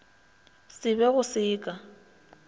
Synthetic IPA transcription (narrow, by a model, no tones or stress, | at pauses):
sɪbɛɣʊsɪːkʼa